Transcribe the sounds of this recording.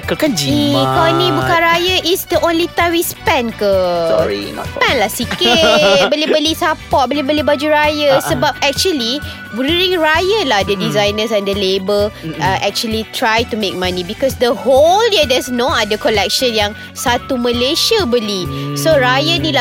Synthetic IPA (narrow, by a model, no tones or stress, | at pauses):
kəkad͡ʒiikɔnĩbukãnɾajəʔisdəʔõnlit̪awispɛ̃nkəḭspɛ̃nlahsikɪbəlibəlisapɔt̚bolibəlibad͡ʒuɹajəsəbap̚ɛk̚t͡ʃuəli | bɾiĩŋɹajəlahdədizajnəs̬ɛ̃ndəlebəlaʔɛk̚t͡ʃuəlit̪ɹajtumek̚mãnĩbikɔsdəholdidɛsnoadəkɔlɛk̚ʃə̃njaŋ | sat̪uməleʃəbəlisoɾajənila